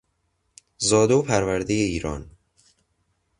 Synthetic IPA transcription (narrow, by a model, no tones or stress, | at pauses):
zɒːd̪oːpʰæɾvæɾd̪ejeiːɾɒ̰ːn